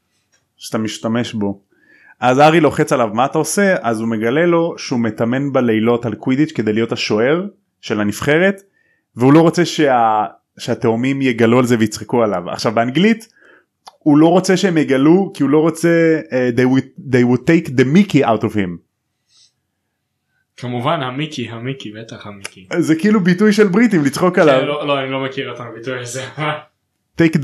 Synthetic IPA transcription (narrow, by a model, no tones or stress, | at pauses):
ʃeat̪amiʃtame̞ʃbo̞ | ʔazaʁilo̞χe̞t͡salavmaːt̪aose̞azume̞ɡale̞lo̞ʃeumet̪ame̞nbaleilo̞talkwid̪it͡ʃke̞d̪e̞jlijo̞taʃo̞e̞ʁ | ʃelanifχe̞ʁe̞t̪ | veulo̞ʁot͡se̞ʃea | ʃeat̪eomimjeɡalualzevejit͡sχekualava̰χʃavbeaŋɡlit̪ | hulo̞ʁo̞t͡se̞ʃeemjeɡalukiulo̞ʁot͡se̞d̪ejwud̪ejwud̚t̪ejkd̪emikiawtovhim | kamuvanhamikiɦamikibet̪aχhamikizekiilubitujʃelbʁit̪imlit͡sχo̞kalavloloanilomekiʁot̪amabit̪ujaze | t̪ejk